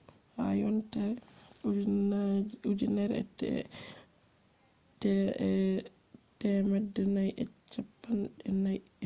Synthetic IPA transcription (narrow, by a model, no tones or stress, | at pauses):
ha̰jɔntɛɾ | ud͡ʒinɛɾɛ̰tɛ̰ | tɛ | tɛmɛdːɛnajʔɛt͡ʃːapːanɗɛnaj